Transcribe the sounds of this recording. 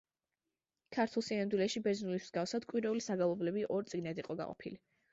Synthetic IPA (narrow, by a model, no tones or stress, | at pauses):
kʰaɾt̪ʰulˠsinamd̪wilɛʃibɛznuliszɡafsad̪̥kʼwiɾɛulisaɡalˠɔblɛbiʔɔɾt̪sʼiɡnad̪iqʼɔɡa̰qʼɔ̰pʰḭli